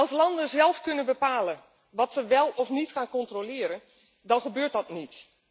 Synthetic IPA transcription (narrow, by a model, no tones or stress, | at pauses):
ɑlˠslɑndəzɛlˠfkønəbəpaːlə | ʋɔtsəʋɛlˠɔfnitxaːnkɔntrolɪəɾən | dɔnxəbøːtdɑtnit